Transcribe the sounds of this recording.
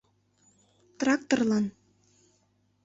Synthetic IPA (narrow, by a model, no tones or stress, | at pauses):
t̪rɑkt̪orlɑn